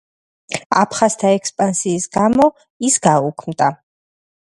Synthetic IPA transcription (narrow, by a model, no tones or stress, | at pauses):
a̰pʰχast̪ʰaɛkspʼansiːsɡamɔ | isɡaukʰmd̪a